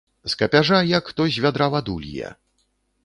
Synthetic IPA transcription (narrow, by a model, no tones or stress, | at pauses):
skɐpʲaʐajakt̪ɔzʲvʲad̪ɾavad̪ulʲijɛ̰